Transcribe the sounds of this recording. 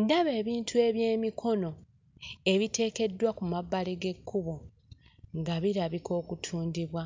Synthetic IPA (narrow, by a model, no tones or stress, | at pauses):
ndaβe̞ːβiːntʰue̞βje̞ːmikʰo̞no̞ | e̞βite̞ːke̞dːwakumabaleɡe̞kʰːuβo̞ | ŋɡaβiɾaβiko̞ːkutʰuːndiβwa